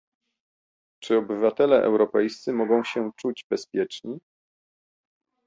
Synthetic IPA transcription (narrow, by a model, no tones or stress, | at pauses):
t͡ʂɘɔbɘvat̪ɛlɛʔɛ̰wɾɔpɛjst̪sɘmɔɡɔ̃w̃ɕɛt͡ʂud͡ʑbɛspʲjɛt͡ʂɲi